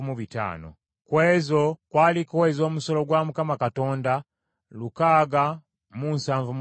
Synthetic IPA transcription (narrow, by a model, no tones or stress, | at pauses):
muβita̰ːno̰ | kweːzokwaːlikowezo̞ːmusolo̞ɡwamukamakato̞ːnda | lukaːɡa | munsaːɱvum